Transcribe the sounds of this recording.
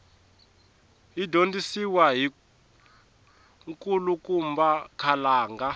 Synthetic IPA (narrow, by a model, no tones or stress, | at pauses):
idʱondisiwaɦi | ŋkʼulukumbakʰalaːŋɡa